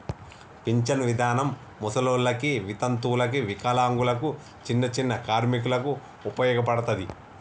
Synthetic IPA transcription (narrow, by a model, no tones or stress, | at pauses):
piɲt͡ʃɐnʋid̪ʱaːnɐmː | usɐloːlːɐkiʋit̪ɐnt̪uːlɐkiʋikaːlaːŋɡulɐku | t͡ʃinːɐt͡ʃinːɐkaːɾmik̬ulɐku | upɐjɔːɡɐpɐɽɐt̪ɐd̪i